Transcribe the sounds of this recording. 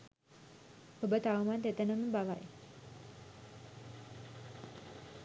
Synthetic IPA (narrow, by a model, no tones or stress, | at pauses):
hobət̪aʋmat̪et̪ənəməbaʋa̰j